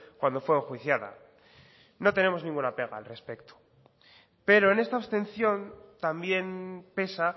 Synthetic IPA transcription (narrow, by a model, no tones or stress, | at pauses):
kwand̪o̞fweexwiθjaða̰ | no̞t̪e̞ne̞mo̞znĩŋɡunape̞ɣ̞aːlre̞spe̞kt̪o̥ | pe̞ɾo̞ene̞st̪aβst̪e̞n̟θjo̞nt̪ambje̞npe̞sa